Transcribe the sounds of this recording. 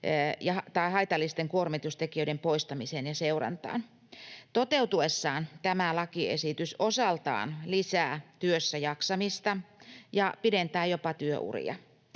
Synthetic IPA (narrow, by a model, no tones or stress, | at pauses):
jɑhɑt̪ɑiɦɑit̪ɑlːist̪eŋkuormit̪ust̪ekiøiɾempoist̪ɑmisenjɑseurɑ̰nt̪ɑ̰ːn | t̪ot̪eut̪uesːɑːnt̪æmælɑkiḛsit̪ysʔosɑlt̪ɑ̰ːnlisæːt̪yøsːæjɑksɑmist̪ɑjɑpident̪æːjopɑt̪yø̰ʔṵrḭjɑ̰